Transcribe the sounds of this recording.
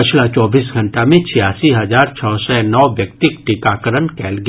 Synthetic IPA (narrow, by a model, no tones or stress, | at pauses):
pɐt͡ʃʰlat͡ʃɔːbiːsɡʱɐ̃ɳʈamẽt͡ʃʰɪjaːsiɦɐzaːɾt͡ʃʰɔːsɛnɔːʋjɐkt̪ɪkʈikaːkəɾənkɛːlɡ